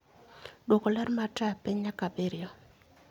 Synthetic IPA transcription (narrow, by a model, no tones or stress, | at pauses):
dwokolɛrmatapiɲakabɪɾɪɔ